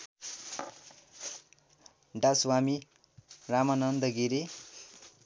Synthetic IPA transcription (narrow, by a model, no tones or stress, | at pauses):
ɖaswami | ramʌnʌnd̪ʌɡiɾe